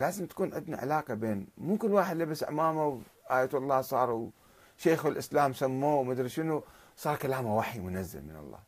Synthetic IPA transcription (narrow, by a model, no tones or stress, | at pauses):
laːzɪmt̪ḁkuːnʕɪd̪na̰ʕa̰laːqabeːnmuːkɪlːwaːħɪd̪lɪbɪsʕa̰maːmawʔaːjaːt̪ɑlˤːɑːsˤɑːɾˤw | ʃeːxwɪlʔɪslaːmsamːuːwmad̪ɾʃɪnu | sˤɑːɾˤkalaːmawaħimʊnazːa̰lmɪnɑ̰lˤːɑ̰ː